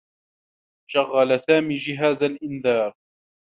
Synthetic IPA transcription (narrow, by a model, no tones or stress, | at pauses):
ʃaɣːalasaːmiːd͡ʒɪɦaːzalʔɪnðɑːɾˤ